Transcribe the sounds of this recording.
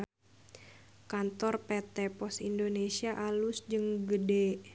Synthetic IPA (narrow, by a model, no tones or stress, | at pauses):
kant̪ɔrpɛt̪ɛpɔsindonesiaʔalusd͡ʒɨŋɡədɛ